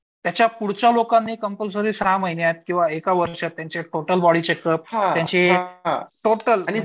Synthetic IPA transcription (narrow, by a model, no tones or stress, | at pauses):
t̪jat͡ɕjapuɽt͡ɕalokanːiːkəmpəls̬əɾiːsɾaməjnjat̪̚kĩw̃ʋaekaʋəɾʂət̪ːjat͡ɕeʈoʈəlbɔɽiːt͡ɕekəp̚ɦãjat͡ɕeaʈoʈəlni